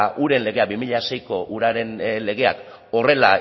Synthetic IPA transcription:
ʔuɾe̞nle̞ɣ̞e̞abimiʎase̞jko̞ʔuɾaɾe̞nle̞ɣe̞a̰k | o̞re̞la

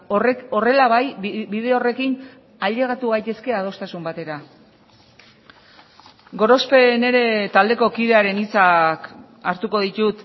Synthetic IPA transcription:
o̞re̞laβajbiðe̞ore̞kin | aʎe̞ɣ̞at̪uɣajt̪e̞ske̞að̞o̞st̪asumbat̪e̞ɾa | ɡo̞ɾospe̞ne̞ɾe̞t̪ald̪e̞ko̞kiðe̞aɾe̞nit͡sak | aɾt̪uko̞ðit̪ut̪

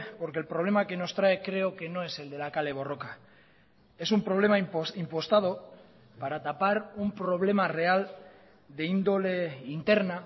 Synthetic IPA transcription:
po̞ɾkelpɾole̞make̞no̞st̪ɾae̞kɾe̞oke̞nõ̞e̞se̞ld̪e̞lakale̞β̞o̞ro̞ka | e̞sumpɾo̞β̞le̞maimpo̞st̪aðo̞ | paɾat̪apaɾumpɾo̞β̞le̞mare̞al | d̪e̞ind̪ole̞int̪e̞ɾna

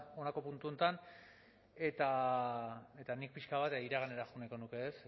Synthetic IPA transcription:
o̞nako̞punt̪uo̞nt̪an | e̞t̪a | e̞t̪anik̚piʃkaβat̪iɾaɣane̞ɾaxuneko̞nuke̞es

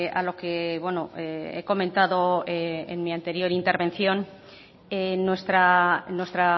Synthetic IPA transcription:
a̰lo̞ke̞βwe̞noeeko̞mẽnt̪aðo̞ḛnmiant̪e̞ɾjo̞ɾint̪eɾβẽ̞nθjo̞n | enːwest̪ɾanwe̞st̪ɾa

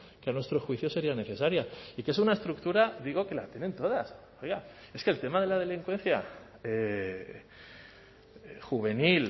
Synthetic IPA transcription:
keanwe̞st̪ɾo̞sxwiθjo̞se̞ɾiane̞θe̞saɾjaike̞sunae̞st̪ɾuk̚t̪uɾaðiɣ̞o̞ke̞lat̪je̞ne̞nt̪o̞ðas | ojɣa | e̞skelt̪e̞mað̞e̞lað̞e̞liŋkwe̞n̟θja | e | xuβ̞e̞nil

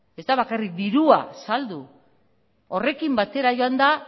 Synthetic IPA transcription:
e̞zd̪aβakarik̚d̪iɾua̰sald̪u | o̞re̞kimbat̪e̞ɾajo̞and̪a

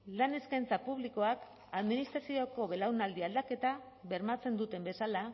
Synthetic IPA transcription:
lane̞skajnt͡sapuβliko̞ak | aðminist̪ɾasio̞ko̞βe̞lawnald̪iald̪ake̞t̪a | βe̞ɾmat͡se̞nd̪ut̪e̞mbe̞sala

